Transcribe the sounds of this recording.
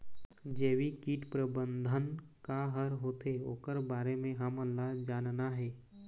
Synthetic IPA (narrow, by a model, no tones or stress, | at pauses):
d͡ʒɛːwikiːʈpɾəbə̃nd̪ʱənkaɦəɾɦoːt̪eoːkəɾbaːɾemẽɦəməlːad͡ʒaːnnaɦɛː